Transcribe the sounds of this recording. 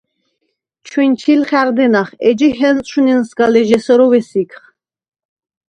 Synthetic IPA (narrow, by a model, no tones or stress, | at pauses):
t͡ʃʰwɛnt͡ʃʰilχæɾd̪ɛnaχɛd͡ʒihɛnʼʰuninsɡalɛʒɛsɔɾɔwɛsikʰχ